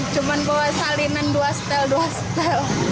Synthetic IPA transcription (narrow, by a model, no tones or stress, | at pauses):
t͡ʃumanbɔasalinanduast̪ɛlduast̪ɛl